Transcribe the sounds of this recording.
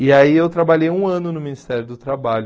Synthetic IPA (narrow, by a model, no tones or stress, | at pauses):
ɪaiewt̪ɾabaʎejũɐ̃nʊnʊminist̪ɛɾjʊd̪ʊt̪ɾabaʎʊ